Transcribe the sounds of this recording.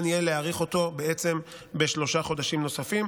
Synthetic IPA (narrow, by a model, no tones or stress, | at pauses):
nijeleaʁiχo̞t̪o̞beet͡se̞m | be̞ʃlo̞ʃaχo̞d̪aʃimno̞safim